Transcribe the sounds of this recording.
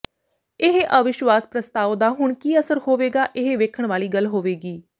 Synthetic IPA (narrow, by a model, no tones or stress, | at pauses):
ɪɦʔəʋɪʃʋaːspɾəst̪aːʋd̪aːɦʊɳkiːəsəɾhoːʋeːɡaːʔɪɦeʋeːkʰəɳʋaːliːɡəlɦoːʋeːɡiː